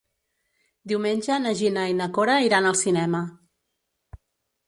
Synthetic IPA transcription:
d̪iwmenʲʒənəʒinəinəkoɾaiɾanəlˠsinɛmə

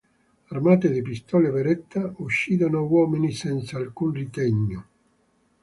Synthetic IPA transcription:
armaːt̪ed̪ɪpist̪ɔːleveɾɛt̪ʰːauʃːiːd̪anʊawɔːminisɛnt̪saːlkunrit̪ɛɲːo

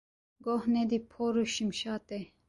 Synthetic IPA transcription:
ɡohned̪ipʰoɾuɕimʃaːt̪e

